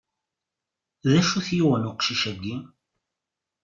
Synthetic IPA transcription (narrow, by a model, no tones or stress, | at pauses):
ðæʃuθjuʁənuqʃiʃæɡːi